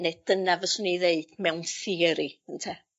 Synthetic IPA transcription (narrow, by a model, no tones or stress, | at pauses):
nɛd̥ənavəsʊniðeɨd̥mɛwnθiɾiəntʰɛ